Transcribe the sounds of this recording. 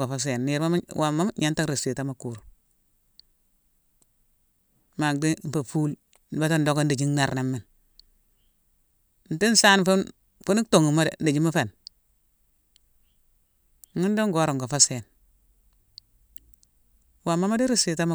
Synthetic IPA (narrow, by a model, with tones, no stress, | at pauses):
ɡo˨fa˦s̬e˨nːi˨ɾa˦wa˨ma˦m˦ɲa˦nta˦ɾi˨si˨ta˦ma˨ku˨ɾu˨ | ma˨kdi˦m̩˨pa˨fuː˦l | n˨ba˦ta˦ndo˦ko˦n˦di˨d͡ʒi˦nna˨ɾna˨mːi˨n | n̩˨ti˦n˦sa˦nfu˦ | fu˦ni˦kto˨ŋu˨ma˦dḛ˨ndi˨d͡ʒi˦mu˦fe˨n˦ | ŋi˦n˦do˦ŋɡo˦ɾo˨ŋɡo˨fa˦se˨n | wa˨mːa˦ma˦di˦ɾi˨si˨ta˦ma˦